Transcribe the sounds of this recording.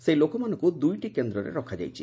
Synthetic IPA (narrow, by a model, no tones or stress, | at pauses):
sejlokomanokud̪ujʈikend̪ɾɔɾḛɾɔkʰad͡ʒa̰jt͡ʃʰḭ